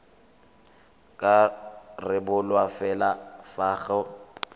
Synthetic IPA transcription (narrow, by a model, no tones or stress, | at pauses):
kʼarɪbʊlwafɛlafaːɣɔ